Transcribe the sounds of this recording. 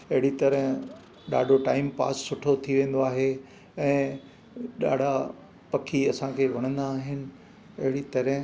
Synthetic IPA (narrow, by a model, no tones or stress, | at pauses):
ɐɦɪɽit̪ɐɾəɦɪ̃ | ɗa̰ːɖʱoʈaːɪmpa̰ːsːʊʈʰot̪ʰiʋẽːn̆d̪oaːɦe | ɛ̃ː | ɗa̰ːɖʱa | pɐkʰiɐsãkʰeːʋɐɽ̃ə̃nd̪aːɦɪnɪ̆ | ɐɦɪɽit̪ɐɾɦɪ̃